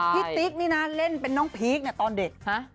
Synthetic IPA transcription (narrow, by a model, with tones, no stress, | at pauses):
i˦˥t̪i˦˥k̚niː˥˩na˦le˥˩npe˧nːɔː˦˥ŋpʰiː˦˥k̚ni˥˩ɐt̪ɔː˧nde˨˩t̪̚ha˦˥